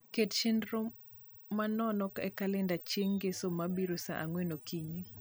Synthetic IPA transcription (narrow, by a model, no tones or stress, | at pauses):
ketʃɪndɾo | manɔnɔkɛkalɛndat͡ʃeŋɡesomabiɾosaʔaŋwenokʰiɲi